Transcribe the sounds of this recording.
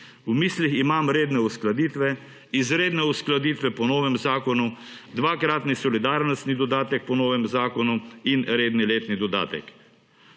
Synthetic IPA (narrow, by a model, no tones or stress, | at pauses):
umiːsliximamɾeːd̪nɛusklad̪iːt̪ʋɛ | izɾeːd̪nɛusklad̪iːt̪ʋɛpɔnɔːʋɛmzaːkɔnu | d̪ʋakɾaːt̪nisɔlid̪aːɾnɔst̪nid̪ɔd̪aːt̪ɛk̚pɔnɔːʋɛmzaːkɔnuinɾeːd̪nileːt̪nid̪ɔd̪a̰ːt̪ɛ̰k